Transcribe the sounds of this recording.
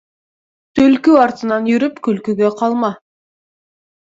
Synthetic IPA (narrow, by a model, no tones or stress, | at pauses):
t̪ʰɵlkʲyɑɾt̪ənɑnjʏɾɪpkʲʰɵlkʲyɡʲe̞qʰɑlˠmɑ